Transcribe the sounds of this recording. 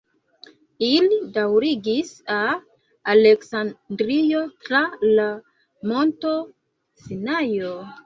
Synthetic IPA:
ilidawɾiɡisaː | leksandɾijotɾala | mo̞nto̞ | sinajo

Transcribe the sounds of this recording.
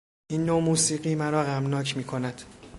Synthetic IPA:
ʔiːnːomuːsiːɢiːmæɾɒːɣæmnɒːcʰmiːkʰonæd̪̥

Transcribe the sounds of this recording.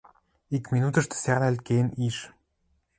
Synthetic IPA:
ikmʲinut̪ə̆ʃt̪ə̥̆sæʁnælʲt̪̚keniʃ

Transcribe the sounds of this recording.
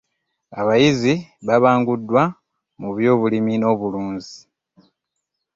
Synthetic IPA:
a̰βajiziβaβaːŋɡudːwa | muβjo̞ːβulimino̞ːβuluːnzi

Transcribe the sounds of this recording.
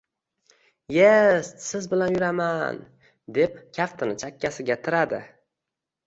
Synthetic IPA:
je̞st̪sɪzbɪlanjʊɾaman | d̪e̞pkʲʰaft̪ʰɪnɪt͡ʃʰakʲːasɪɡʲat̪ʰɪɾad̪ɪ̰

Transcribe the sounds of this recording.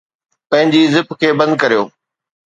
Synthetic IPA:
pɐ̃ɦɪ̃ɲd͡ʑizɪpkʰeːbɐ̃nd̪̚kɐɾijo̰ː

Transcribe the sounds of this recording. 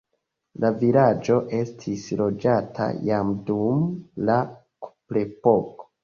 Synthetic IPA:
lavilad͡ʒo̞ʔe̞stʰislo̞d͡ʒatʰa̰jamdumla | kuplepoko̥

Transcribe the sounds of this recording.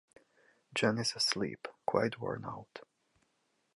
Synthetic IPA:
d͡ʒɛ̃nɪzəslḭpkʰw̥a̰ɪtʰwɔ̰ɹna̰ʊt

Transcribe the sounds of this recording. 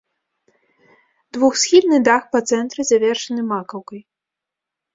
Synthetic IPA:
d̪vuxsʲxʲilnɨd̪axpɐt̪sɛnt̪ɾɨzavʲɛrʂɐnɨmakɐwkɐj

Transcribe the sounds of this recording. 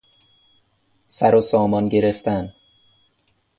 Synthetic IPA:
sæɾosɒːmɒnɟe̞ɾeft̪æn

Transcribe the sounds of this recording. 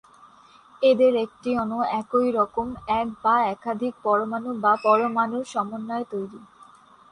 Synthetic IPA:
ed̪eɾek̚ʈiɔnoɛkojɾɔkomɛkbaɛkad̪ʱik̚pɔɾomanubapɔɾomanuʃɔmonːaet̪ojɾi

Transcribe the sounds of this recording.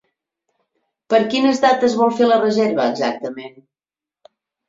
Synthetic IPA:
pəɾkinəzðat̪əzβɔlˠfelərəzeɾβəːɡzak̚t̪əmen

